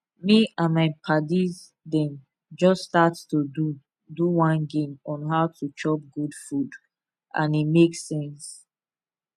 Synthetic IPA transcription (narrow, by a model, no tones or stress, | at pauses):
miãnmaɪpʰadiz | dɛ̃n | d͡ʒɔsstatstudu | duwɔ̃nɡẽmɔ̃nɦaʊtʰut͡ʃɔp̚ɡudfud | ʔã̰nimeksɛ̃ns